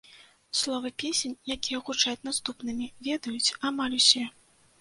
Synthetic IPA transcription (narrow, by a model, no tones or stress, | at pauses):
slˠɔvɨpʲesʲenʲjakʲijɐɣut͡ʂajut͡sʲnast̪upnɨmʲivʲɛd̪ɐjut͡sʲamalʲusʲɛ